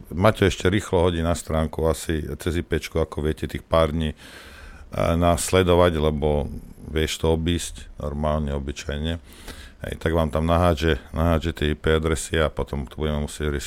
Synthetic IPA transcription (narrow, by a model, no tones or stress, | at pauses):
maːcɛɛʃcɛɾiːxlɔɦɔɟinast̪ɾaːŋkuasit͡sɛzipɛt͡ʃkuakɔʋɪɛcɛt̪iːxpaːɾd̪ɲiː | naːslɛd̪ɔʋaɟlɛbɔʋɪɛʃt̪ɔɔbiːscnɔ̰ɾmaːlɲɛɔbit͡ʃajɲɛ | ɦɛ̰ɪt̪aɡʋaːmt̪amnaɦaːd͡ʒɛnaɦaːd͡ʒɛt̪ɪɛipɛad̪ɾɛsɪɛapɔt̪ɔmt̪ɔbuɟɛmɛmusɪɛɟɾɛʃ